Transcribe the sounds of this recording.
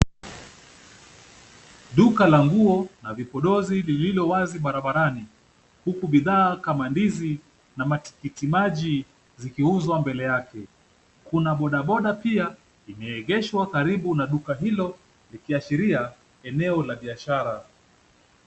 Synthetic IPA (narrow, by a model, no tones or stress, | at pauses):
ɗukalaŋɡuɔnavipɔɗɔzilililɔwaziɓaɾaɓaɾani | hukuɓiðaːkamandizi | namati̥kitimaʄi | zikiuzwambɛlɛjakɛ | kunaɓɔɗaɓɔɗapia | imɛːɣɛʃwakaɾiɓunaɗukaɦilɔ | likiaʃiɾia | ɛnɛɔlaɓiaʃaɾa